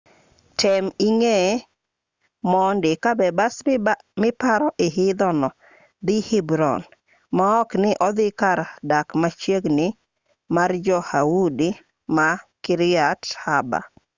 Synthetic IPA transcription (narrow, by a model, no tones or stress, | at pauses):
tʰɛmiŋe | mɔndɪkabɛbas | mɪpaɾɔʔɪɦɪd̪ɔnɔ | d̪ɪhibɾɔ̰n | maɔknɪʔɔd̪ɪkaɾdakmat͡ʃjeɡnɪ | mard͡ʒɔhawudi | makɪɾɪathaba̰